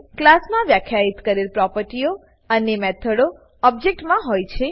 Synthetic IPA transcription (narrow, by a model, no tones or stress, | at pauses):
klasmãʋjakʰjait̪kəɾelpɾɔpəɾʈijo | ənemɛt̪ʰəɽo | ɔb̚d͡ʒek̚ʈmãɦojt͡ʃʰe